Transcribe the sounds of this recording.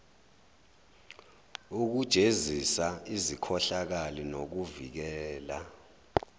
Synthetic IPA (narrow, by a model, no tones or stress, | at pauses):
uk̬ud̥ʒ̥ʱezisaizikʰɔɬak̬alinok̬uvik̬ɛːla